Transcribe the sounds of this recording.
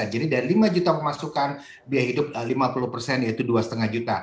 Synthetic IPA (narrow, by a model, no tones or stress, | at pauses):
ad͡ʒadidaɾilimad͡ʒut̪apəmasukan | biahɦidʊp̚limapuluhpərsɛnjait̪uduasə̥t̪əŋahd͡ʒut̪a